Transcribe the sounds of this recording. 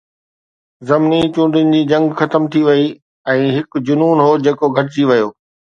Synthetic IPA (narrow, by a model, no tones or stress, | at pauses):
zɐmnit͡ɕũːɳɖɪnɪ̆d͡ʑiːd͡ʑɐ̃ŋɡxɐt̪əmt̪ʰiʋɐi | ɛ̃ːɦɪkd͡ʑʊnuːnɦoːd͡ʑeːkoɡʱɐʈ̬d͡ʑiʋɐjoː